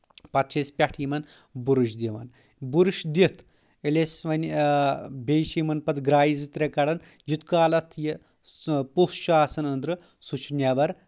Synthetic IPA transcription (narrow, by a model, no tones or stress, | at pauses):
pɐt̪t͡ʃʰespʲaʈʰimɐn | buɾuʃd̪iʋɐ̰n | buɾuʃd̪it̪ʰ | elʲesʋɐnʲ | bʲejʃimɐnpɐt̪ɡɾaːjizɨt̪ɾekɐɽɐn | jut̪kaːlɐt̪ʰji | puʃaːsɐnɐnd̪ɾɨ | sut͡ʃʰnʲjaːbɐɾ